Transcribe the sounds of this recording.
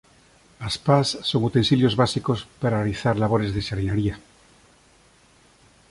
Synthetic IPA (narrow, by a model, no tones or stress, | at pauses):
aspasːoŋut̪ensiljo̞zβasikospaɾaaliθaɾlaβ̞oɾezðesaɾineɾia